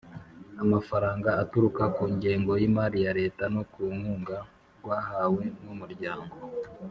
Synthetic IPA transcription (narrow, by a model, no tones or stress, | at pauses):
amafaɾaːŋɡaːtuɾukakuːɲɟe̞ːŋɡo̞jimaːɾijaɾe̞ːtano̞kuŋ̥huːŋɡa | ɡ̥waːɦaːwe̞numuɾɟaːŋɡo